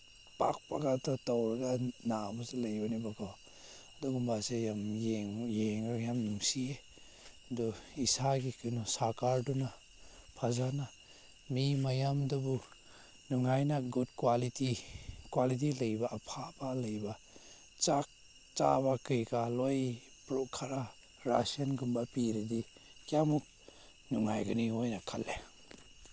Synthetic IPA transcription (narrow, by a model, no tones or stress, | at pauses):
pa̰k̚paɡatɔtɔwɾaɡanabɔselajɔnibakʰɔ | adɔɡumbasejamjeŋjeŋɾɔjamnuŋsie | dɔisaɡikʰɯnɔsaɾkaɾduna | pʰazana | mimajamdabu | nuŋajnaɡud̚kwalitikwalit̬ilɐjbaʔːpʰabalajba | t͡ʃak̚ | t͡ʃa̰bakɯjɡalɔj | pɾɔkʰaɾa | ɾa̰sianɡumbapiɾidi | kjamuk̚ | nuŋa̰jɡaniɔjnakʰalːe